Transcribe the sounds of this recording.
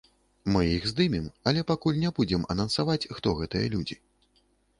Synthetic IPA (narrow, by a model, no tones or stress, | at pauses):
mɨjixzd̪ɨmʲimɐlʲɛpakulʲnʲɛbud͡zʲɛmɐ̰nɐnsavat͡sʲxt̪ɔɣɛt̪ɨjɐ̰lʲud͡zʲi